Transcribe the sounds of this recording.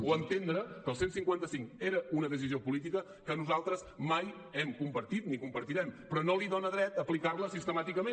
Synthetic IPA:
wənt̪end̪ɾəkəːlˠsensiŋkwant̪əsiŋkeɾəunəðəs̬iziopulit̪ikə | kənuzalˠt̪ɾəsmaj | ɛmkumpəɾt̪it̪nikumpəɾt̪iɾɛmpɾɔnoliðonəðɾɛt̪əplikarləsist̪əmat̪ikəme

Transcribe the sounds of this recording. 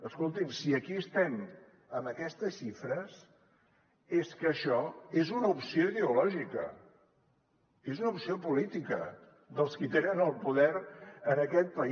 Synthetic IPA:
əskolˠt̪imsiəkiəst̪ɛm | əmbəkɛst̪əsʃifɾəs | eskəːʃɔezunəupsioiðeulɔʒikə̰ | ezunəupsiopulit̪ikə̰ | d̪əlˠskit̪enənəlˠpuðɛɾənəkɛt̪̚pə

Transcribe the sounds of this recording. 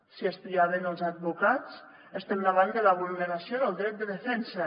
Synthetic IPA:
siəst̪iaβənəlˠzad̪̚βukat͡s | əst̪emdaβand̪əlaβulˠnəɾasioðəlˠd̪ɾɛt̪̚d̪əðəfɛnsə

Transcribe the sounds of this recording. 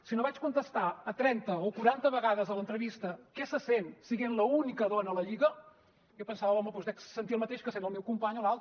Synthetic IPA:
sinoβat͡ʃkunt̪əst̪aət̪ɾɛnt̪əokuɾant̪əβəɣaðəzələnt̪ɾəβist̪əkɛsəsensiɣenləunikəðonəːləʎiɣə | jopənsaβəɔməpɔzd̪ɛkssənt̪iəlˠmət̪eʃkəsenəlˠmewkumpaɲolalˠt̪

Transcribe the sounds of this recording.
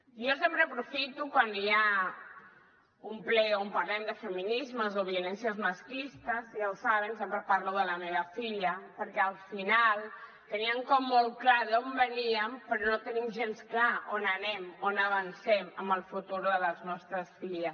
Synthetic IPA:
josempɾəːpɾufit̪ukwania | umplɛompəɾlɛmd̪əfəminizməzoβiulɛnsiəzməskist̪əzsjawsaβənsempɾəpaɾluðələmeβəfiʎəpəɾkɛəlˠfinalˠ | t̪əniəŋkɔmːolˠklaðombəniəmpəɾɔnot̪ənimʒensklaonənɛmonəβ̞ənsɛməmbəlˠfut̪uɾðəðəlznɔst̪ɾəsfiʎəs

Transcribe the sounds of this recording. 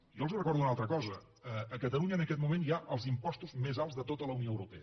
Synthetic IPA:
jɔəlzurəkɔɾðunalˠt̪ɾəkɔzə | əəkət̪əluɲəːnəkɛt̪mumenjaʔəlˠzimpɔst̪uzmezalˠzðət̪ot̪ələunioəwɾupɛə

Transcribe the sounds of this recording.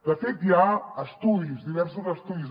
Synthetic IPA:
d̪əfet̪jaəst̪uðizd̪iβɛɾsuzəst̪uðiz

